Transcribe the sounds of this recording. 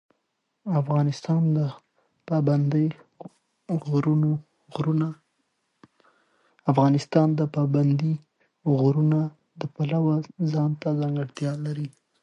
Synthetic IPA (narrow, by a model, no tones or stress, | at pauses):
afɣɑnɪst̪ɑnd̪ə | pɑband̪ | ɣɾuno | ɾuna | afɣɑnɪst̪ɑnd̪əpɑband̪i | ɣɾuna | d̪əpalawazɑnt̪azaŋɡaɽt̪jɑlaɾi